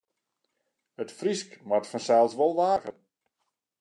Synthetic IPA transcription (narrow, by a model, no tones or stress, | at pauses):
ətfriskmatfɔnsɛlˠsʋolˠʋaːɣən